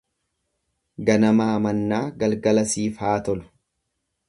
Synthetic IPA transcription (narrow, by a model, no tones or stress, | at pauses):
ɡɐnɐmaːmɐnːaːɡɐlɡɐlɐsiːfaːt̪ɔlʊ̥